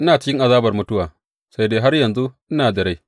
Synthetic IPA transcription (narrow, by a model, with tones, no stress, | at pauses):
ʔɪ˦naː˨t͡ʃɪ˦kʲɪ˦ŋʔa˨zaː˦bɐ˨rmʊ˦tʊ˦waː˨ | sa˦jdeː˦ɦa˦rjɐ˨nzu˦ʔɪ˦naː˨dɐ˨ɽa˦j